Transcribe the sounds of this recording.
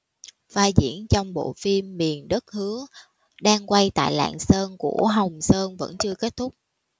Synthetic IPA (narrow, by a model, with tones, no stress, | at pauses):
vaː˧zḭ˧˩ənt͡ɕɔ˧wŋ͡mɓo̰˧˨fi˧mːi˨˩ənɗə˦˥t̚hɨ˨˦ə | ɗaː˧ŋkwa˧jt̪a̰ː˧˨jla̰ː˧˨ŋsəː˧nku˧˩əɦə˨˩wŋ͡msəː˧nvə̰˧˥nt͡ɕɨ˧əke˦˥t̚t̪ʰʊ˦˥k͡p̚